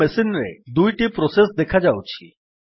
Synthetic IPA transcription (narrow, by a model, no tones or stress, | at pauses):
ɛsinɾḛd̪ujʈipɾɔsesd̪ekʰad͡ʑawt͡ɕʰḭ